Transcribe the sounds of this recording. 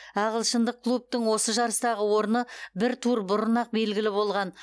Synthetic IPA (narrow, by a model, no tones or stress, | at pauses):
ɑʁəlˠʃənd̪əq̚kʰːlˠup̚t̪əɴwo̞səʒɑɾəst̪ɑʁəwo̞ɾnəbɪɾt̪ʰuɾbʊɾənɑq̚be̞lɡʲɪlɪbo̞lˠʁɑn